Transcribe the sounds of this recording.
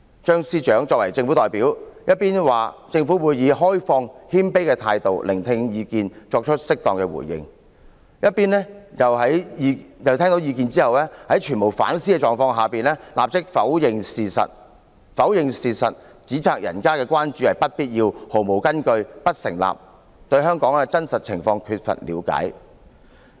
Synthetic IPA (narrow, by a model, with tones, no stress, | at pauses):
t͡ʃœː˥ŋsiː˧t͡ʃœː˨˥ŋt͡ʃɔː˧k̚wɐ˨˩jt͡sɪ˧ŋfu˨˥t̪ɔː˨jpiː˨˥wjɐ˥t̚piː˥nwaː˨˩t͡sɪ˧ŋfuː˨˥wuː˨˧jjiː˨˧ɦɔː˥jfɔː˧ŋhiː˥npe˥jkɛː˧t̪ʰaː˧jt̪o˨wlʔɪ˨˩ŋt̪ʰɪ˧ŋjiː˧kiː˨˧nt͡ʃɔː˧k̚t͡ʃʰə˥t̚sɪ˥k̚t̪ɔː˨ŋkɛː˧wṵ˨˩jjɪ̰˧ŋ | jɐ˥t̚piː˥nɛː˥jɐ˨˩wɦɐ˨˥jjɐ˨wt̪ʰɛː˥ŋt̪o˨˥wjiː˧kiː˨˧nt͡siː˥hɐ˨wlɛː˥hɐ˨˥jt͡ʃʰyː˨˩nmo˨˩wfa̰ː˨˥nsiː˥kɛ˧t͡ʃɔː˨˩ŋfɔː˧ŋɦaː˨˩piː˨nlɛː˥la̰ː˨p̚t͡sɪ˥k̚fɐ˨˥wjɪ˧ŋsiː˨˩sɐ̰˨t̚ | fɐ˨˥wjɪ˨˧ŋsiː˨˩sɐ̰˨t̚ | t͡siː˨˥t͡sʰaː˧k̚jʔɐ̰˨˩nkaː˥kɛː˧kʷwʷaː˥nt͡ʃyː˨˥hɐ˨jpɐ˥t̚piː˥t̚jiː˧who˨˩wmo˨˩wkɐ˥nkɵ˧ɥpɐ˥t̚sɪ̰˨˩ŋla̰ː˨p̚ | t̪ɵ˧ɥɦœː˥ŋkɔː˨˥ŋaː˧t͡sɐ˥nsɐ˨t̚t͡sʰɪ̰˨˩ŋfɔː˧ŋkʰyː˧t̚fɐ̰˨t̚lḭː˨˧wka̰ː˨˥j